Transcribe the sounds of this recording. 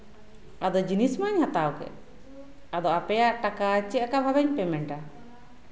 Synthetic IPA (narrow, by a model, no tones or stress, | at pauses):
ad̪ɔd͡ʒinismaɲhat̪awɡɛ̰ | ad̪ɔʔapɛjaʔʈakaːt͡ʃɛakabʱabaɲpɛmɛɳʈa